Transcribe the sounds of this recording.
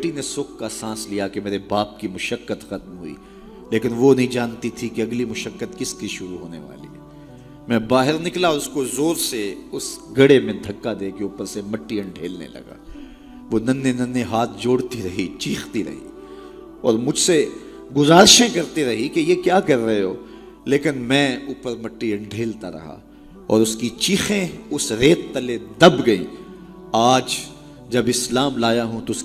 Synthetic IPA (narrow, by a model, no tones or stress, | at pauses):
ʈːinesʊːkkasãːslijakemeːɾebaːp̚kimʊʃəkːət̪xɐt̪mɦʊ̰ḭː | leːkɪnʋonɐɦĩd͡ʒaːnt̪it̪ʰikeɐɡlimʊʃəkːət̪kɪskiʃʊɾuɦoːnḛʋa̰ːlḭ | mɛ̃ːbaːɦɪɾnɪklaɔːɾʊskozoːɾseʊsɡɐɽemẽd̪ʱɐkːad̪eːkeuːpəɾsemɐʈːiɐ̃ɳɖʱḛːlnḛlɐ̰ɡa̰ː | ʋoːnɐ̃nːenɐ̃nːeɦaːt̪̚ʰd͡ʒoːɽt̪iɾɐɦit͡ʃiːxt̪iɾɐ̰ɦḭː | ɔ̰ːɾmʊd͡ʒʱse | ɡʊzaːɾʃẽkɐɾt̪iɾɐɦikejekjaːkɐɾːɐeɦoː | leːkɪnmɛ̃ːuːpəɾmɐʈːiɐ̃ɳɖʱeːlt̪aɾɐ̰ɦa̰ | ɔːɾʊskit͡ʃiːxẽʊsɾeːt̪ːɐled̪ɐbɡɐḭ̃ː | aːd͡ʒ | d͡ʒɐbɪslaːmlaːjaɦũt̪oʊs